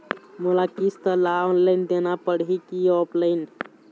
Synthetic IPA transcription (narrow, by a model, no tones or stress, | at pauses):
mulakist̪əlaɔ̃nland̪enapəɽɦikiɔplajn